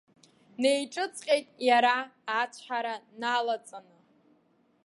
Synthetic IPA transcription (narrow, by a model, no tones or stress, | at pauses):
ne̞jʈ͡ʂʼɨt͡sʼqʲʼe̞jtʼjaɾaːt͡ɕʷʰħaɾanalat͡sʼanɨ